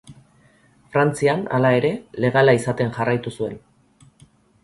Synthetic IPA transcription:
fɾant͡siana̰lae̞ɾe̞le̞ɣalaisat̪e̞nʝarajt̪usue̞n

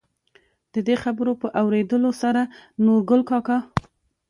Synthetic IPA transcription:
d̪̥əd̪exabəɾopəʔawɾed̪əlosaɾanoɾɡʊlkɑkɑ

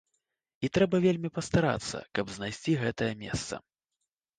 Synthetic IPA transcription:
it̪ɾɛbɐvʲelʲmʲipɐst̪aɾa̰t̪sːɐ̰kɐbznajsʲt͡sʲiɣɛt̪ɐjɐmʲɛ̰st̪sɐ̰

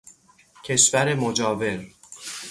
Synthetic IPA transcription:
cʰe̞ʃvæɾe̞mod͡ʒɒːve̞ɾ

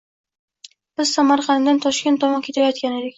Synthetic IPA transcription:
b̥ɪzsamaɾqɑnd̪ant̪ʰɒʃkʲe̞nt̪ːɒmɑkʲʰe̞t̪ʰajɒt̪̚kʲane̞d̪ɪkʲ

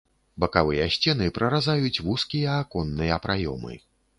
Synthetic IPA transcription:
bɐkavɨjɐsʲt͡sʲɛnɨpɾɐɾazajut͡sʲvuskʲijɐːkɔnːɨjɐpɾajɔ̰mɨ̰

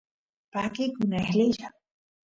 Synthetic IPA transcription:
pakikunehliʃa

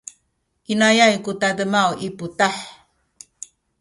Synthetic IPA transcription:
kinajajkutadəmawiputaħ

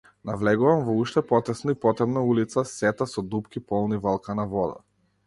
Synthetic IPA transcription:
navlɛɡuvamvɔuʃt̪ɛpɔt̪ɛsnaipɔt̪ɾɛbnaulit̪sasɛt̪asɔd̪upkipɔlˠnivalˠkanavɔd̪a̰

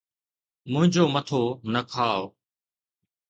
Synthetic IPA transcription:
mʊ̃ɦɪ̃ɲd͡ʑoːmət̪ʰoːnəkʰaːo

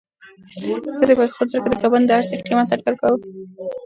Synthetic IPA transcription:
xəzepaxoɾzɾəkad̪əkaband̪əaɾseqimat̪aʈkalkaw

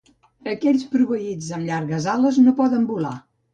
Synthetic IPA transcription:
əkɛʎʲspɾuβəid͡zəmʎaɾɣəzaləznopɔðəmbula̰

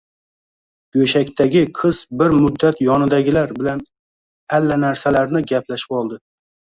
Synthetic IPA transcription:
ɡɵʃakʲt̪ʰaɡʲɪqʰɨz̥bɪɾmʊd̪ːat̪jɒnɪd̪aɡʲɪlaɾbɪlan | alːanaɾsalaɾnɪɡʲaplaʃɪ̥pɒlˠd̪ɪ

